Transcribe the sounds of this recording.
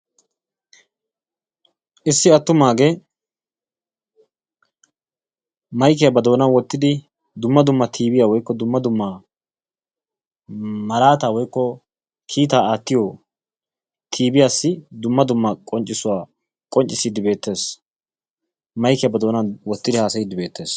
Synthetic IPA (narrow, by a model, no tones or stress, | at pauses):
ʔɪsːɪɐt̪ːʊmaːɡe | mɐjk̬ɛjɐbɐd̪o̞ːnɐwɔt̪ːɪd̪ɪ | d̪ʊmːɐd̪ʊmːɐt̪ʰiːbɪjaːwɔjkːɔd̪ʊmːɐd̪ʊmːa | mɐɾaːt̪aːwɔjkːɔ | kʰiːt̪aːaːt̪ːɪjɔ | t̪ʰiːbɪjaːsːɪd̪ʊmːɐd̪ʊmːɐkʼɔnt͡ʃʼːɪsʊwaː | kʼɔnt͡ʃʼːɪsiːd̪ɪbe̞ːt̪ːe̞ːs | mɐjkɛjɐbɐd̪o̞ːnɐwɔt̪ːɪd̪ɪhaːsɐjiːd̪ɪbe̞ːt̪ʰːe̞ːs